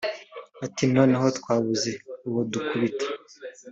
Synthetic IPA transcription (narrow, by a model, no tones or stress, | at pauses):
atino̞ːneɦo̞tkwaːβuze̞uwodukuβite̥